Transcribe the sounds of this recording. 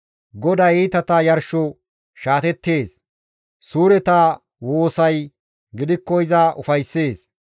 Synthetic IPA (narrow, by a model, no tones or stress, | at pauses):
ɡɔd̪ɐjit̪ɐt̪ɐjɐɾʃɔ | ʃaːt̪ɛt̪ːe̞ːs | suːɾɛt̪aː | wo̞ːsɐj | ɡɪd̪ɪkːɔɪzaʔʊfɐjsːe̞ːs